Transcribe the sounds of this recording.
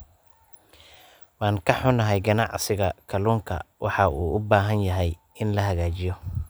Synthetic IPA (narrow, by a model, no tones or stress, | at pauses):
wɑːŋkʰɐħʊnɐɦɛjɡɐnɑʕsɪɣɐkʰɐluːŋkʰɐ̰wʔɑ̰ħɑʔuːʔʊbaːɦɐnjɐɦɛj | ɪnlɐɦɐɣaːt͡ʃɪjɔ